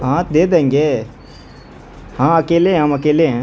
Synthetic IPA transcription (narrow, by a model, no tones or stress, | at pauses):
ɦãːt̪d̪eːd̪ẽːŋɡeː | hãːɐkeːleɦɛ̃ɦəmɐkeːleɦɛ̃ː